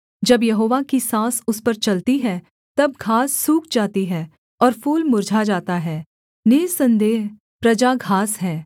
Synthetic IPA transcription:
d͡ʒɐbjɐɦoːʋakisãːsʊspɐɾt͡ʃɐlt̪iɦɛː | t̪ɐb̚ɡʱaːsːuːkʰd͡ʒaːt̪iɦɛː | ɔːɾpʰuːlmʊɾd͡ʒʱad͡ʒaːt̪aɦɛː | nɪːsɐ̃nd̪eːɦ | pɾɐd͡ʒaɡʱaːsɦɛː

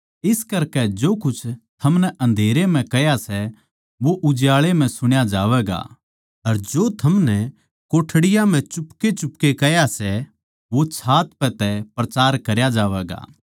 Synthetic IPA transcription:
ɪskɐɾkɛd͡ʒoːkʊt͡ʃʰt̪ʰɐmnɛʔɐ̃nd̪ʱeːɾem̤ɛ̃kɛjasɛ | ʋoʔʊd͡ʒjaːɭem̤ɛ̃sʊɽ̃jad͡ʒaːʋɛːɡa̰ː | ɐɾd͡ʒoːt̪ʰɐmnɛ | koːʈʰɽɪjam̤ɛ̃t͡ʃʊpket͡ʃʊpkekɛjasɛ | ʋot͡ʃʰaːt̪pɛt̪ɛpɾɐt͡ʃaːɾkɐɾjad͡ʒaːʋɛːɡa̰ː

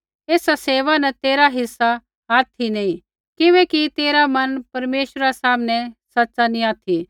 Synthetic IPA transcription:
eːsaseːʋanɐt̪eːɾaɦɪsːa | aːt̪ʰinɐĩ | kɪʋɛ̃kit̪eːɾamɐnpɐɾmeːʃɾasaːmnɛsɐtːsanĩaːt̪ʰi

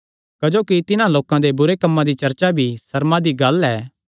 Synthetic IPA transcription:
kɐd͡ʒoːkit̪ɪnãloːkãd̪ebʊɾekɐmːãd̪it͡ʃɐɾt͡ʃabʱisɐɾmãd̪iɡɐlɛː

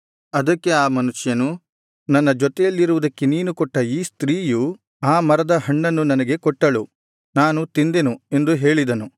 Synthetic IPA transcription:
ɐd̪ɐkːe̞aːmɐnuʂjɐnu | nɐnːɐd͡ʒɔt̪ɛjɐlːiɾuʋud̪ɐkːeniːnukɔʈːɐiːst̪ɾiːju | aːmɐɾɐd̪ɐɦɐɳːɐnːunɐnɐɡe̞kɔʈːɐɭu | naːnut̪ind̪enue̞nd̪uɦe̞ːɭid̪ɐnu

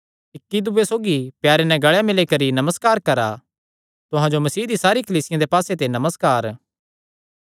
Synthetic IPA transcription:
ɪkːid̪uʋesoːɡipjaːɾenɛ̃ɡɐɭjamɪlekɐɾinɐməskaːɾkɐɾa | t̪ʊɦãd͡ʒomɐsiːd̪isaːɾikɐliːsɪjãd̪epaːset̪̬enɐməskaːɾ

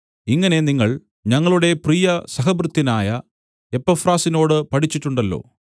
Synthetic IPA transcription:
iŋːɐne̞niŋːɐɭ | ɲɐŋːɐɭuɽe̞priːjɐsɐɦɐbrɨt̪ːinaːjɐ | e̞pːɐfraːsino̞ːɽɨpɐʈʰit͡ɕːiʈːuɳɖɐlːo̞̰ː

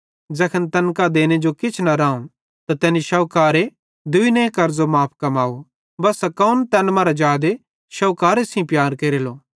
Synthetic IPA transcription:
d͡ʒɐkʰənt̪ɐnkad̪eːned͡ʒokɪt͡ʃʰnɐɾaːũn | t̪at̪ɛːniʃɐʊkaːɾe | d̪ʊinẽːkɐɾd͡ʒomaːp̚ʰkɐmaːu | bɐsɐkɐunt̪ɛːnmaːɾad͡ʒaːd̪e | ʃɐwkaːɾesĩpjaːɾkeːɾeloː

